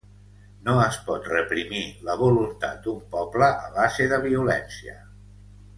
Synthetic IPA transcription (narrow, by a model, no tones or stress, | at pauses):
noəspɔt̪rəpɾimiləβulunt̪a̰t̪̚d̪umpɔbləʔəβazeðəβiulɛnsiə̰